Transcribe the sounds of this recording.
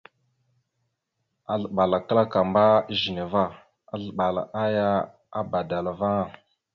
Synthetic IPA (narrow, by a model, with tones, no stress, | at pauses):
a˨ɮə˨ɓa˨la˨kə˦la˦ka˨mba˦ʒi˨ne˨va˦˨ | a˦ɮə˨ɓa˨la̰˨ʔa˦ja˦ | a˦ba˨da˨la˨va˦ŋa˦˨